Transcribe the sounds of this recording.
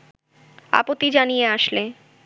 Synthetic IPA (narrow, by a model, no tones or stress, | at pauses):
a̰pot̪ːid͡ʑanijeaʃle